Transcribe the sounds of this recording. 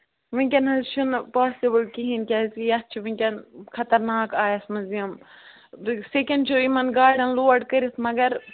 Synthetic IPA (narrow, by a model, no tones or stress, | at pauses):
ʋɐŋʲkʲɐnɐzt͡ʃʰunpaːsibɐlkiɦinkʲɐzijɐs̚t͡ʃʰiʋĩŋʲkʲɐnkʰɐt̪ɐɾnaːkaːjɐsmɐzijɐm | sekɐɳɖt͡ʃʰoimɐnɡaːɖɐnloːɐɖkɐɾismɐɡɐɾ